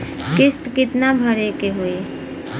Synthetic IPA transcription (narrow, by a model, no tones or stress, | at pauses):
kɪst̪kɪt̪nabʱəɾekeɦʊe